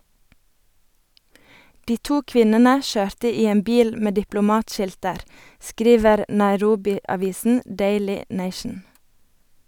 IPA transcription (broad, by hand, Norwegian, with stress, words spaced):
ˈdiː ˈtuː ˈkʋɪnənə ˈʃøːɾtə ˈiː ˈeːm ˈbiːl ˈmeː dɪplʊˈmɑːtˌʃɪltəɾ ˈskɾiːʋəɾ nɑɪˈɾuːbɪɑˌʋiːsn̩ ˈdeɪlɪ ˈneɪʃn̩